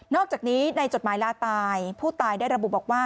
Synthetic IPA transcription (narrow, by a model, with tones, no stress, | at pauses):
nɔː˥˩k̚t͡ɕaː˨˩niː˦˥na˧jt͡ɕo˨˩t̪̚maː˩˦jlaː˧t̪aː˧jpʰuː˥˩t̪aː˧jdaː˥˩jɾa˧bu˨˩bɔː˨˩k̚waː˥˩